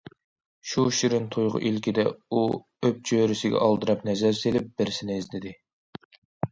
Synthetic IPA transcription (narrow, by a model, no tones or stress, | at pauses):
ʃuʃiɾɪnt̪ʰujʁʊ̰ʔilkʲid̪ɛu | øp̚t͡ʃʰøɾɪsɪɡʲɛ̰ʔɑlˠd̪ɨɾɑpnɛzæɾselɪp̚bɪɾɪsɪnɪizt̪ɪd̪ɪ